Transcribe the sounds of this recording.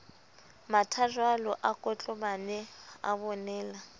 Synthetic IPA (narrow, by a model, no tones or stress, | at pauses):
matʰaʒwalɔʔakʼɔt͡ɬʼɔbanɛa̰bɔnɛːla